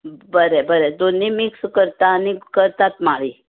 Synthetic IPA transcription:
bəɾebəɾed̪onːimikskəɾt̪aːnikəɾt̪at̪maɭi

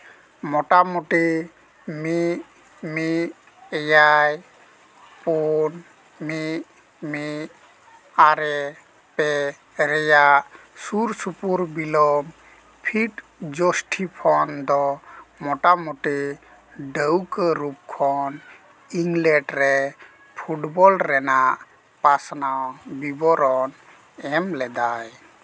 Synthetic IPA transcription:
mɔʈamɔʈe | mi | mi | ɛjaj | pun | mit | mit | aɾɛ | pɛ | ɾɛjaʔ | suɾsupuɾbilɔm | pʰiʈ | d͡ʒɔsʈʰipʰɔnd̪ɔmɔʈamuʈi | ɖəwkəɾup̚kʰɔn | iŋɡlɛʈɾɛ | pʰuʈbɔlɾɛnaʔ | pasnawbibɔɾɔn | ɛmlɛd̪aj

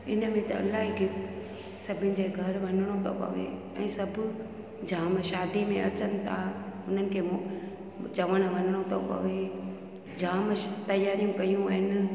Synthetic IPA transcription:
ɪnəmẽt̪ɐɐ̰lːaːɦikʰe | sɐbʱɪ̃nɪ̆d͡ʑeːɡʱɐɾʋɐnɪɽ̃ot̪ʰo̰pɐ̰ʋḛ | ɛ̰̃ːsɐbʱʊ | d͡ʑaːmʃaːd̪ʱimẽʔɐt͡ɕənɪ̆t̪ʰaʊn̤ənɪ̆kʰeːm | t͡ɕɐʋəɽ̃ʋɐnɪɽ̃ot̪ʰopɐ̰ʋe | d͡ʑaːmt̪ɐjaːɾijũkɐijũaːɦɪn

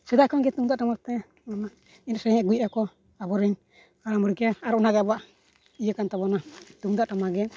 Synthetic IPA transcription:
sɛd̪akʰɔŋɡɛt̪uŋd̪aʔʈamat̪ɛ | ɔna | insɛŋaɡujakɔ | abɔɾin | aɾamɔɾikaaɾɔɔnaɡɛabaʔ | ijəkant̪abɔnat̪uŋd̪aʔʈamaɡɛ

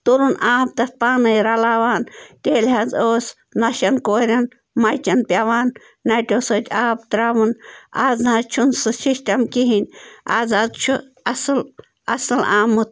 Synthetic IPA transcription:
t̪uɾunaːp̚t̪ɐt̪̚panɨjɾalaʋaːnt̪ʲeːlɦazoːs | naʃankoɾʲan | mɐjt͡ʃʲanpʲjaʋaːnː | at̪ʲosot̪ʲaːb̚t̪ɾaʋɨnazhat͡ʃʰunsɨʃiʃt̪ʲamkiɦinʲʔazadt͡ʃʰu | asɨl | asɨla̰ːmɨt̪̚

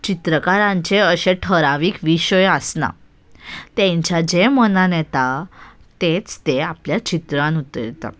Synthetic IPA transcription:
t͡ɕit̪ɾəkaɾãɲt͡ɕeəɕeʈʰəɾaʋiːkʋiɕəjasna̰ | t̪ẽɲt͡ɕjad͡ʑemənanɛt̪a | t̪et͡st̪eapljat͡ɕit̪ɾãnut̪əɾit̪a̰

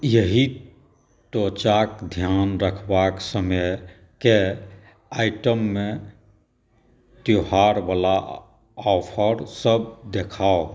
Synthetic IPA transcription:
jəɦi | ʈot͡ʃakd̪ʱjanɾəkʰbaksəməj | ke | aɪʈəmːe | t̪joɦaɾbala | ɔpʰəɾsəb̚d̪ekʰao

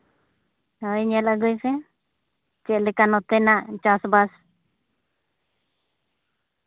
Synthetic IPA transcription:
ajɲɛlaɡujsɛ | t͡ʃɛlɛkanɔt̪ɛnaʔt͡ʃasbas

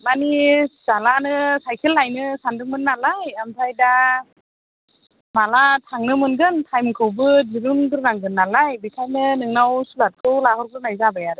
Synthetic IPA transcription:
manizalanɯsajkʰilːajnɯsandɯŋmɯnːalajamsʰajda | malatʰaŋnɯmɯnɡɯntʰajmkʰɯwbɯdiɾunɡɯɾnaŋɡɯnːalajbikʰajnɯnɯŋnawsulat̚kʰɯwlahɔɾɡɯɾnajzabajaɾɯ

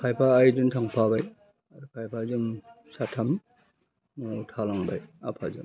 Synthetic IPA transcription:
kʰajpʰaːjduntʰaŋpʰabaj | aɾukʰajpʰazɯm | satʰam | nɔtʰalaŋba̰ja̰pʰazɯ̰m

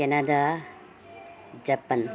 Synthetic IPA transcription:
enɐd̪a | d͡ʒɐpːɐn

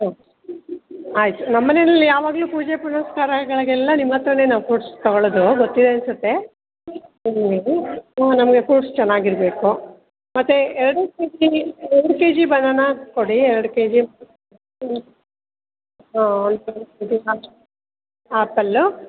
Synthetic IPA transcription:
aː | aːjt̪unɐmːɐnenɐlːijaːʋaːɡɐluːpuːd͡ʒepunɐskaːɾɐɡɐɭɐɡɛlːɐnimːɐt̪ːɐɾɐne̞ːnaːʋukuːʈst̪ɔɡoɭɐd̪uɡot̪ːid̪e̞ɐnsut̪ːe̞ | imlianɐmɐɡe̞kuːʈst͡ʃɛnːaːɡiɾɐbe̞ːku | mɐt̪ːeɛɾɐɽukeːd͡ʒiɛɾɽuke̞ːd͡ʒibɐnːɐnːɐkoɽiɛɾɐɽuke̞ːd͡ʒim | aːɐnd̪uid̪iaː | aːpɐlːu

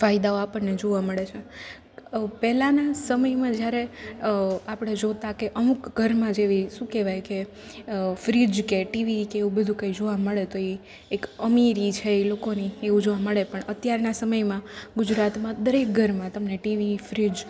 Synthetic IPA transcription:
fajd̪aoapəɳned͡ʒoʋaməɭet͡ʃʰe | pɛɦlanasəməjmãd͡ʒjaɾe | apɽ̃ed͡ʒot̪akeʔəmukɡʱəɾmãd͡ʒeʋiʃũkeʋajke | fɾid͡ʒkeʈiʋikeeũbəd̪ʱũkəjd͡ʒoʋaməɭet̪oeː | kəmiɾit͡ʃʰeelokonieʋũd͡ʒoʋaməɭepəɳət̪jaɾnasəməjmãɡʊd͡ʒɾat̪mãd̪əɾek̚ɡʱəɾmãt̪əmneʈiʋifɾid͡ʒ

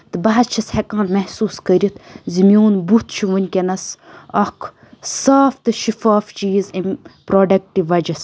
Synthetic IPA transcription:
t̪ɨbɐɦɐst͡ʃʰɐshekãːnmɐhsuːskəɾʲit̪ʰzimʲjoːnbut̪t͡ʃʰiʋɐnʲkʲenɐsɐkʰ | saːft̪ɨʃifaːft͡ʃiːzempɾoːɖɐk̚ʈiʋɐd͡ʒɐs

